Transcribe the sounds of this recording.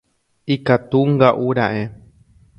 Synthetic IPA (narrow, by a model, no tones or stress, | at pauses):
ikat̪uŋɡaʔuɾaʔe